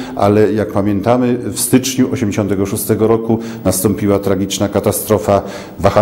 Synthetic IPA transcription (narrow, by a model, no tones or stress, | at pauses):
a̰lɛjak̚pamʲjɛnt̪amɘfst̪ɘt͡ʂɲuʔɔɕɛmd͡ʑeɕɔnt̪̬ɛɡɔʂust̪ɛɡɔɾɔkunast̪ɔmpʲiwat̪ɾaɡʲit͡ʂnakat̪ast̪ɾɔfa | vaxa